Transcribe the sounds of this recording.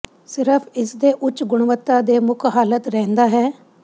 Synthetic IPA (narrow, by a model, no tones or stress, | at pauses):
sɪɾəpʰɪsd̪eːʔʊt͡ʃɡʊɽ̃ʋət̪ːad̪eːmʊkʰɦaːlət̪ɾɛːnd̪aːɦɛː